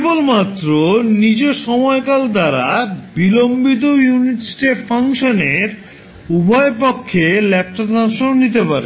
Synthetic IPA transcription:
bolmat̪ːɾonid͡ʑeʃɔmɔekald̪aɾa̰bilombit̪̬ojuniʈsʈeʈfʰaŋʃoneɾ | ubʱɔepokʰːelɛp̚ʈot̪anʃonnit̪epaɾḛ

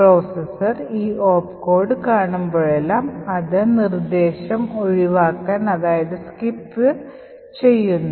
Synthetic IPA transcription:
pro̞ːsesɐriːoːpko̞ːrɖɨkaːɳumbo̞ːɻelːaːmɐðɨnird̪e̞ːɕɐmo̞ɻiʋaːkːaːnɐðaːjɐðɨskipːɨ | t͡ɕe̞jːunːɐ

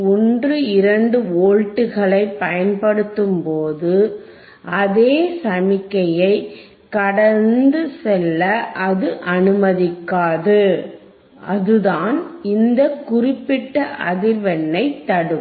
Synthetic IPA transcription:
ɔndrɯɪɾɐɳɖɯoːɻʈːɯɣɐɭɐɪpːɐjɐnpɐɽɯt̪ːɯmpoːðɯ | ʔɐðeːsɐmɪkːɐjɐɪ | kɐɽɐɾnd̪ɯsɛlːɐʔɐðɯʔɐnɯmɐðɪkːaːðɯ | ɐðɯðaːnɪnd̪ɐkʊrɪpːɪʈːɐʔɐðɪɾʋɐnːɐɪt̪ːɐɽɯ

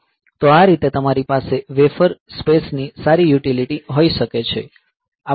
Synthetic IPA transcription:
t̪oaɾit̪et̪əmaɾipaseʋefəɾspesnisaɾijuʈiliʈiɦoiʃəket͡ʃʰe | a

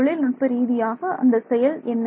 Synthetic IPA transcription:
ɭɪlnʊʈ̚pɐɾiːðɪjaːɣɐɐ̰nd̪ɐsɛjɐlɛnː

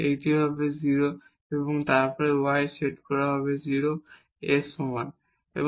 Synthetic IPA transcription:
ejt̪ibʱabeziɾo | ebɔŋt̪aɾpɔɹewajseʈkɔɹaɦɔbeziɾo | esuman | ḛb

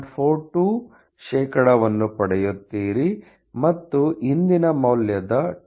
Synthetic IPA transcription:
ɖpʰoːɾʈuː | ʃɛːkɐɽɐʋɐnːupɐɽɛjut̪ːiːɾi | mɐt̪ːuind̪inɐmɐwljɐd̪ɐ

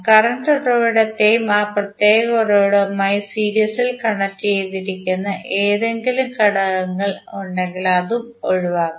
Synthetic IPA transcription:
kɐrɐɳʈorɐʋiɽɐt̪ːe̞jumaːprɐt̪je̞ːɣɐoroːɽɐmaːjisiːɾijɐsilkɐɳɐtːejt̪iɾikʲːunːɐʔeːðe̞ŋɡilumkɐɽɐɣɐŋːɐɭoɳɖe̞ŋɡilɐðum | o̞ɻuʋaːɣu

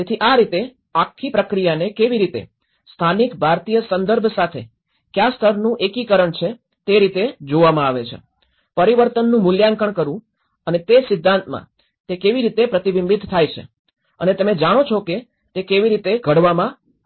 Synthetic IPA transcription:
t̪et̪ʰiʔaɾit̪e | akʰːipɾəkɾijanekeʋiɾit̪ḛ | st̪ʰanikbʱaɾt̪ijəsənd̪əɾbʱsat̪ʰḛ | kjast̪ʰəɾnũʔekikəɾəɳt͡ʃʰe | t̪eɾit̪ed͡ʒoʋamãaʋet͡ʃʰḛ | pəɾiʋəɾt̪ənːũmʊljaŋkəɳkəɾũ | ənet̪esɪd̪ʱːãnt̪mã̰ | t̪ekeʋiɾit̪epɾət̪iʋimbid̪ʱt̪ʰːajt͡ʃʰḛ | ənet̪əmẽd͡ʒaɽ̃ot͡ʃʰoke | t̪ekeʋiɾit̪eɡʱəɽʋamã

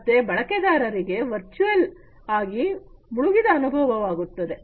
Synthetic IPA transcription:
t̪ːe̞bɐɭɐked̪aːɾɐɾiɡe̞ʋɐɾt͡ʃuɐl | aːɡi | muɭuɡid̪ɐːnubʱɐʋɐʋaːɡut̪ːɐd̪e̞

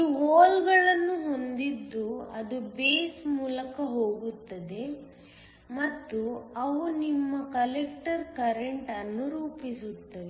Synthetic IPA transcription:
uoːlɡɐɭɐnːuɦo̞nd̪id̪ːuɐd̪ubeːsmuːlɐkɐɦoːɡut̪ːɐd̪e̞ | mɐt̪ːuɐʋunimːɐkɐlek̚ʈɐɾkɐɾeɳʈɐnːuɾuːpisut̪ːɐʋe

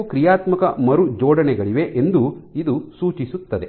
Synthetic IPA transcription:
kɾijaːt̪mɐkɐmɐɾud͡ʒɔːɖɐnɛɡɐɭiʋe̞ʔend̪uid̪usuːt͡ʃisut̪ːɐd̪e̞

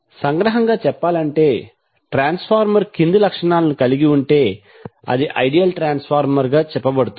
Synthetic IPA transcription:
sɐŋɡɾɐɦɐŋɡaːt͡ʃɛpːaːlɐɳʈe̞ː | ʈɾaːnspʰaːɾmɐɾkind̪ulɐkʂɐɳaːlɐnikɐliɡiuɳʈe̞ː | ɐ̰d̪iʔɐjɖijɐlʈɾaːnspʰaːɾmɐɾɡaːt͡ʃɛpːɐbɐɽut̪u

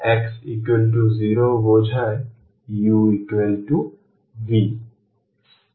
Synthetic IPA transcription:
eksikwelʈuziɾobod͡ʒʱae | juikwelʈu | ʋi

